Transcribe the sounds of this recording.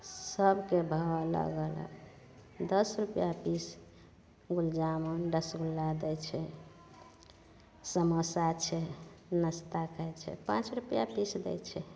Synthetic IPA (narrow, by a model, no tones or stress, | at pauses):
səbʱkebʱələ̰ɡə̰lə̰ | d̪əsɾupjapis | ɡuld͡ʒamonɖəsɡulːad̪ɛt͡ʃʰɛ | səməsat͡ʃʰɛnəst̪akəɛt͡ʃʰɛ̰pãt͡ʃɾupjapisd̪ɛ̰jt͡ʃʰɛ